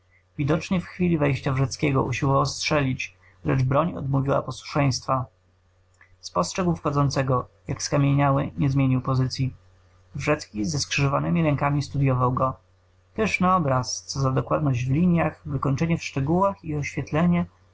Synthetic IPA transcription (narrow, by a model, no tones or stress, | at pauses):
vʲid̪ɔt͡ʂɲɛfxfʲilʲivɛjɕt͡ɕavʐɛt̪skʲɛɡɔʔṵɕiwɔvawstʂɛlʲit͡ɕ | lɛ̰d͡ʐbɾɔɲɔ̰d̪muvʲiwa̰pɔswu̥ʂɛj̃st̪fa | spɔstʂɛɡwfxɔd̪zɔnt̪sɛɡɔjakskamʲjeɲawɘɲɛzmʲjeɲiwpɔzɘt̪sʲji | vʐɛt̪skʲizɛskʂɘʐɔvanɘmʲiɾɛŋkamʲist̪ud̪ʲjɔvawɡɔ | pɛʂnaɔbɾast̪sɔzad̪ɔkwad̪nɔʑd͡ʑvlʲiɲjaxvɘkɔɲt͡ʂɛɲɛfʂt͡ʂɛɡuwaxiɔɕfʲjɛt̪lɛɲɛ